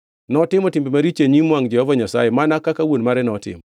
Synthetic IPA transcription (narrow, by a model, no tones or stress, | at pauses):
nɔtɪmɔtɪmbimaɾit͡ʃeɲimwaŋd͡ʒɛhɔvaɲasa̰jemanakakawonmaɾɛnɔtɪ̰m